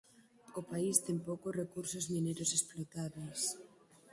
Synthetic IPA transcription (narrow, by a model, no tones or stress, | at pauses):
opaist̪empokorekuɾsozmĩneɾosesplot̪aβes